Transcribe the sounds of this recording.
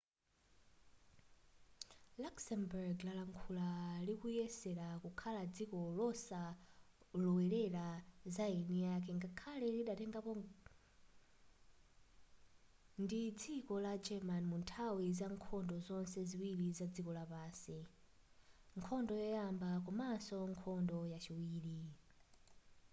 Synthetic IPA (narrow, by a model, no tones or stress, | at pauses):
laksɛmbɛɹɡlalaŋkʰulalikujɛsɛɾakukʰalad͡zikɔlɔsa | lɔwɛɾɛɾazaɛnijak̬ɛŋɡakʰalɛliɗatɛŋɡapɔ | ndid͡zikɔlad͡ʒɛmanmuntʰawizaŋkʰɔndɔzɔnsɛziwiɾizad͡zikɔlapaːnsi | ŋkʰɔndɔjɔjambakɔmasɔŋkʰɔndɔjat͡ʃiwiːli